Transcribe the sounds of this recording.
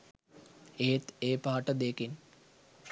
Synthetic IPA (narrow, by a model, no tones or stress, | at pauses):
et̪eːpaːʈəd̪ekin